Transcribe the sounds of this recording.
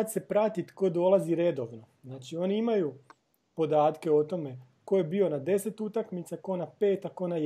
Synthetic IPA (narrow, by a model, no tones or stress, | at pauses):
at̪se̞pɾat̪it̪ko̞d̪o̞laziɾe̞d̪o̞ʋno̞znaːt͡ʃio̞niimaju | po̞d̪aːt̪ke̞o̞t̪o̞me̞ | ko̞je̞biːo̞nad̪e̞se̞t̪ut̪akmit̪sako̞nape̞ːt̪ako̞na